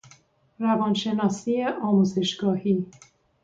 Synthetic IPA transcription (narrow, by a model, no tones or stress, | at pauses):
ɾævɒnʃe̞nɒːsiːjeʔɒːmuːze̞ʃɡɒːhiː